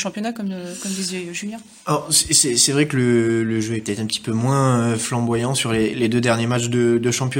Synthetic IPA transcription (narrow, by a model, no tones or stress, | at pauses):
ʃɑ̃pjɔnakɔmkɔmd̪izjɛʒyljɛ̃ | ɔsɛsɛsɛvʁɛkələləʒøɛpət̪ɛt̪χɛ̃pət̪i̥pømwɛ̃øflɑ̃bwajɑ̃syʁleled̪ød̪ɛʁnjemat͡ʃd̪əd̪əʃɑ̃pjɔ